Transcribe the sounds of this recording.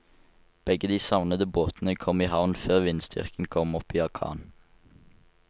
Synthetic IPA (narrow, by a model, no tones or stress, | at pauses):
b̥ɛɡəd̪iːsɑʋnəd̪əboːt̪n̩əkʰɔmiːhɑʋnføːʁʋɪnsd̪ʏ̰ʁkn̩kʰɔmɔpiːɑʁkʰɑ̰ːn